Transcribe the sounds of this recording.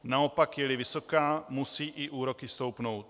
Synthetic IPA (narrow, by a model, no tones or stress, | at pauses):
naopakjɛlɪvɪso̞kaːmusiːʔɪʔuːɾo̞kɪst̪o̞wpno̞wt̪̚